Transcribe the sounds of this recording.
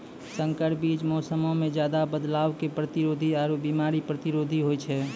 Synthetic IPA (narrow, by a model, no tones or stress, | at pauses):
sə̃ŋkəʈbiːt͡ʃmɔsəmõmẽd͡ʒjaːd̪abəd̪laːwkepɾət̪iɾoːd̪ʱiaːɾobimaːɾipɾət̪iɾoːd̪ʱiɦojt͡ʃʰɛ